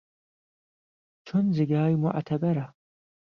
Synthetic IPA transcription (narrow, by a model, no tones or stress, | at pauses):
t͡ʃʰʊnzɪɡaːjmʊ̰ʔt̪ʰɐbɐɾa